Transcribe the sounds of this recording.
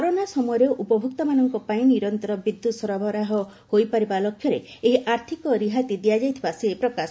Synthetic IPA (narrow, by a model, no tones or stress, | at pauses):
ɔɾonasɔmɔɔɾɔʔupɔbʱukt̪ɔmanɔŋkɔpaĩniɾɔnt̪ɔɾɔbɾid̪ːut̪sɔɾɔbʱɔɾaɦɔhojpaɾibalɔkʰːjɔɾeeɦiʔaɾt̪ʰikɔɾiɦat̪id̪ijad͡ʒajt̪ʰibasepɾɔkas